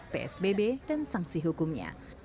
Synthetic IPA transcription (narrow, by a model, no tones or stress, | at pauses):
peʔɛ̰sbebedansaŋsiɦukʊmɲa̰